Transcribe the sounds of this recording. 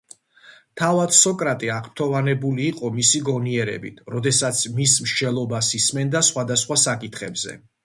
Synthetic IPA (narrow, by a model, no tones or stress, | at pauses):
t̪ʰavad̪sɔkʼɾat̪ʼiaʁp̚t̪ʰɔvanɛbuliːqʼɔmisiɡɔniɛɾɛ̰bḭt̪ʰɾɔd̪ɛsat̪sʰmismʃd͡ʒɛlˠɔbasismɛnd̪asχwad̪asχwasakʼit̪ʰχɛbzɛ̰